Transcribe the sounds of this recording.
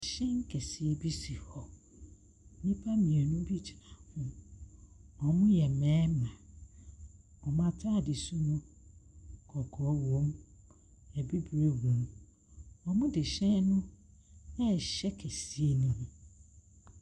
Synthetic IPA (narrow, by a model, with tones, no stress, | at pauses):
ɕɛ̃˦ŋ˦kʰɛ˨si˨e˦bi˦si˨hɔ˨ | nĩ˦pʰa˦mĩ˨e˨nʊ̃˦bi˦t͡ɕʰa˨hʊ̃˦ | ɔ˨mʊ̃˦jɛ˨mɛ̃ː˦mã˨ | ɔ˨mã˦tʰa˦˨dɪ˨su˦nʊ̃˦ | kʰɔ˨kʰɔ˨˦wõ˨˦m | ɛ˨bi˦bɾe˦wo˨˦m | ɔ˨mʊ̃˦dɪ˨ɕɛ̃˦nʊ̃˦ | ɛ˦˨ɕɛ˦kʰɛ˨si˦e˦nũ˦h